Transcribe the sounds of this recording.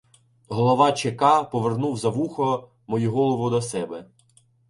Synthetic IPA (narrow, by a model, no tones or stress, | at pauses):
ɦɔlˠɔʋɑt͡ʃekɑpɔʋernuwzɐʋuxɔ | mɔjuɦɔlˠɔʋʊd̪ɐsɛbɛ